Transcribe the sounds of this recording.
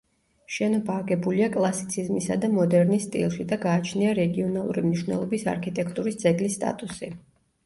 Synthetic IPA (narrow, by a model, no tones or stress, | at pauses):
ʃɛnɔbaːɡɛbuliakʼlˠasit̪sʰizmisa̰d̪amɔd̪ɛɾnist̪ʼḭlˠʃid̪aɡaːt͡ʃʰniaɾɛɡiɔnalˠṵɾimniʃwnɛ̰lˠɔbisa̰ɾkʰit̪ʼɛkʰt̪ʼuɾisd̪zɛɡlisːt̪ʼa̰t̪ʼusi